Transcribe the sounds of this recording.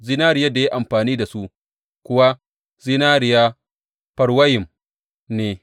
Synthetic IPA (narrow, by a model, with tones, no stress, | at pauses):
zi˦naː˦ɾɪ˨ja˦da˨ji˦ʔa˨mɸaː˨niː˦da˨su˦ʔ | kʷʊ˦wa˦ | zi˦naː˦ɾɪ˨jaː˦ | pɐ˨ɽwɐ˦jɪ˨m | neː˨